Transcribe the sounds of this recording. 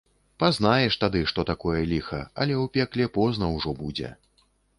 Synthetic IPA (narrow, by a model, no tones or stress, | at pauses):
pazn̪ajɛʂt̪ad̪ɨʂt̪ɔt̪akɔjɛlʲixɐ̰ɐ̰lʲɛwpʲɛklʲɛpɔznɐwʐɔbud͡zʲɛ̰